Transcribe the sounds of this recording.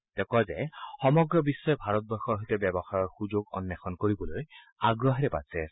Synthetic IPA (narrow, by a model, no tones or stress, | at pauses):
t̪ɛkɔzɛxɔmɔɡɹɔbisːɔɛbʱaɹɔt̪̚bɔɹxɔɹɦojtɛbɛbɔxaɹɔɹxuzoɡɔ̰nːaxɔnkoɹibɔloj | aɡɹɔɦɹɛpa̰sɛ